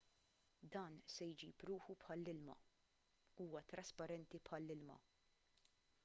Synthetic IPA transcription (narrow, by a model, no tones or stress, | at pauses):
d̪ɐːnsɛjd͡ʒḭːpɾuːħupħɐlːɪlmɐ̰ | uːwɐt̪ɾɐspɐɾɛnt̪ipħɐlːɪlmɐ̰